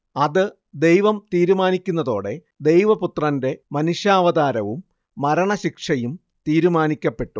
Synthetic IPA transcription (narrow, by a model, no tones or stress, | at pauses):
ɐðɨ | d̪e̞jʋɐmt̪iːɾumaːnikʲːunːɐðo̞ːɽe̞ | d̪e̞jʋɐput̪rɐnde̞mɐnuʂjaːʋɐðaːɾɐʋumː | ɐɾɐɳɐɕikʂɐjum | t̪iːɾumaːnikʲːɐpːe̞ʈːu